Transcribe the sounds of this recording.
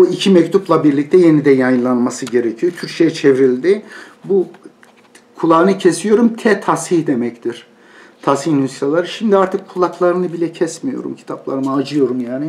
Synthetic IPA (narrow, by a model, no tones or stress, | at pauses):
uicʰimɛct̪ʰuplˠabiɾlʲic̚t̪ʰɛje̞nid̪ɛjajɯnlˠanmasɯɟe̞ɾecʰijo̞t̪ʰyɾʃʰejɛt͡ʃʰevɾilʲd̪ɪbu | kʰulˠaːnɯcʰe̞sijo̞ɾumt̪ʰɛt̪ʰashihd̪e̞mɛct̪ʰiɾ̥ | t̪ʰashihnust̪alˠaɾɯʃimd̪iaɾt̪ʰɯk̚kːʰulˠaklˠaɾɯnɯbilʲɛcʰɛsmijo̞̰ɾṵmcʰi̥t̪ʰaplˠaɾɯmɯad͡ʒɯjo̞ɾumjaːnɪ